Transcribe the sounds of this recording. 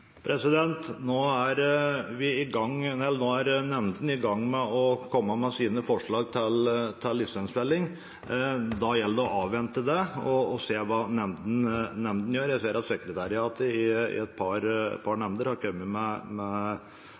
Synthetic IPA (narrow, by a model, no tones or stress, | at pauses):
pʰɾɛsɪd̪ɛnt̪noːæɾʋɪɪɡɑŋːɛɛlnoːæɾnɛmnd̪n̩ɪɡɑŋːmɛɔkʰɔmːəmɛsiːnəfɔʂɭɑːɡt̪ʰɪlt̪ʰɪlːɪsɛnsbɛlːɪŋ | d̪ɑjɛlːd̪əɔʔɑːʋʋɛnt̪əd̪ɛɔːseːʋɑːnɛmd̪n̩nɛmnd̪n̩jøːɾjæseːɾɑt̪sɛkɾət̪ʰæɾɪɑːt̪əɪɪ̰ɛt̪̚pʰɑɾpʰɑɾɳɛmd̪əɾhɑɾkʰœmːəmɛmɛ